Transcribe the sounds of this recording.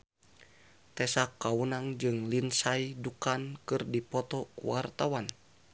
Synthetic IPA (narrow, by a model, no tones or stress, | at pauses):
t̪ɛsakːawunaŋd͡ʒɨŋlinsaidukankɨrdipɔt̪ɔkṵwart̪awan